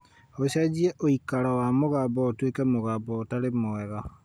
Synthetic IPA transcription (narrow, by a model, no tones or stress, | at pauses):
oɕad͡ʑiɛʔoikaɾawamoɣaːbɔotwekɛmoɣaːbɔːtaɾemoɛɣa